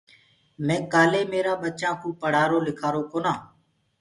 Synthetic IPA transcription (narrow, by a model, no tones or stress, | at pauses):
mɛ̃ːkaːleːmeːɾaːɓət͡ʃãːkʰũːpəɽ̤aːɾoːlɪkʰaːɾoːkoːnãː